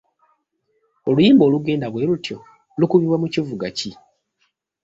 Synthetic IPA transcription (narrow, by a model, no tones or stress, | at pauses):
o̞lujiːmboːluɡe̞ːndaβwe̞ːlutjo̞ | lukuβiβwamucivuɡaci